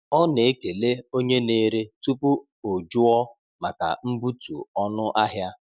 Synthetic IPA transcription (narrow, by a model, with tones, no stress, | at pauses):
ɔ˦ne˨e˦ke˨le˦o˦ɲe˦ne˦ɾe˦tu˦pu˦ | o˨d͡ʒʊ˦ɔ˦ | ma˨ka̰˨m̩˦bu˦tṵ˨ɔ˦nʊ˦ʔa˦ɦja˦